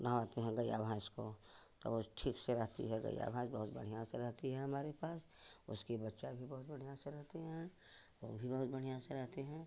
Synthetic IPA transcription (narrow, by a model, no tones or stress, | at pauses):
nɐaːt̪eɦɛ̃ɡɐja̰bʱãskot̪o̰ʋoʈʰiːkseɾɐɦt̪ḭɦɛɡɐ̰ja̰ːbʱãːsbɐɦʊt̪bɐ̰ɽ̤iãsaɾɛɦt̪iɦɛ̃ɦɐmaːɾepaːsʊ̰skibɐtːʃabʱibɐɦʊt̪bɐɽ̤ijãseɾɐɦt̪eɦɛ̃ː | ʋobʱibɐɦʊt̪̚bɐɽ̤iaːseɾɛɦt̪eɦɛ̃ː